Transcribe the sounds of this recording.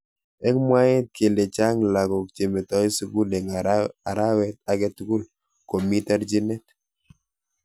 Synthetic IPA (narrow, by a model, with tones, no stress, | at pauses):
ɛ˦kmwa˦ɛ˦t̪̚ke˨le˨t͡ʃa˦ŋla˨ɡɔ˨k̚t͡ʃe˨me˨tɔ˨˦i˦su˦ku˦le˨ŋa˨ɾa˦wɛ˦t̪̚a˨ɡɛ˦tu˦ku˦l | ko˨mi˦ta˦ɾd͡ʒi˦nɛ˦t